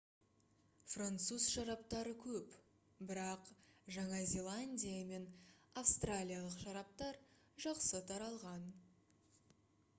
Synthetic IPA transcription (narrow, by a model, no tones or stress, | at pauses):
frant̪suzʃɑɾɑp̚t̪ɑɾəkʲʰɵp | bɪɾɑqʒɑɴɑzʲe̞lˠanʲdʲijame̞nafst̪ralʲijalˠəqʃɑɾɑp̚t̪ɑɾ | ʒɑqsət̪ʰɑɾɑlˠʁɑn